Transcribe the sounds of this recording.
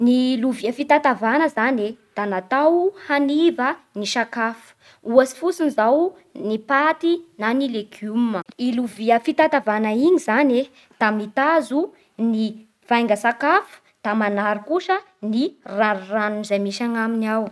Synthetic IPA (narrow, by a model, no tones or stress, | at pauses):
niluviəfit̪at̪avanəzaned̪̥anat̪awhanivəniʃakafu̥ | uasi̥fusinizaw | nipat̪inanilekʰuməiluviəfit̪at̪avanaiɲizane | d̪̥amit̪azu | ni | v̥ajŋɡəsakafu̥ | d̪̥amanaɾikuʃə | niraranunzajmiʃaŋaminaw